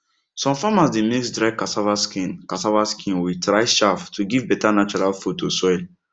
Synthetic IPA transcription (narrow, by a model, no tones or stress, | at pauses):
sɔ̃mfamasdemeksdɾaɪkasavaskĩnkasavaskʰĩnwitɾaɪʃaftʰuɡivbɛtanat͡ʃɔɾalfotosɔil